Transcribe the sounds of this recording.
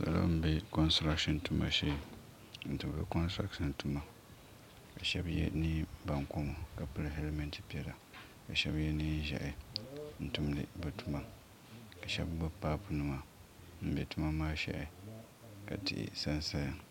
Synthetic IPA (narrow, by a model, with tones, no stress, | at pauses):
sa̰˨la̰˦m̩˦˨be˦kɔ˦nstɾa˦kʃi˦˨ntu˦ma̰˨ʃe˦˨ | n̩˨tu˨m˨bɛ̰˦kɔ˦nstɾa˦kʃi˨ntu˦ma˨ | ka˨ʃɛ˦bjɛ̰˦ni˦ba˨ŋko˦mo˨ka˨pɨ˦lɦe˦lmɛ˦nti̥˦pi˦ɛ˨la˨ | ka˨ʃɛ˦bjɛ˦ni˦ʒa̰˨ʔɪ˨n̩˦˨tu˦mlɨ̰˨bɨ˨tu˦ma˦ | ka˨ʃɛ̰˦bɡ͡bo˦paː˦pʊ˨nɨ˨ma˨ | m̩˦be˨tu˦ma˦maː˦ʃa̰˦ʔɪ˨ | ka̰˨tɪ̰˨ʔɪ̰˨sa˦nsa˦ja˨ŋ